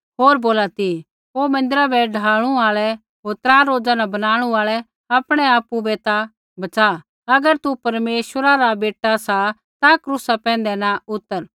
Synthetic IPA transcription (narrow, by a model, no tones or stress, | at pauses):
ɦoːɾboːlat̪i | oːmɐ̃nd̪ɪɾabʱɛɖʱaːɽ̃ũaːɭɛ | ɦoːɾt̪ɾãːɾoːd͡zanɐbɐnaːɽ̃ũaːɭɛ | apɽ̃ɛaːpubɛt̪a | bɐt͡ʃa | ɐɡəɾt̪upɐɾmeːʃwəɾaɾabeːʈːasa | t̪akɾuːsapɛ̃ːn̆d̪ɛnaʊt̪ːəɾ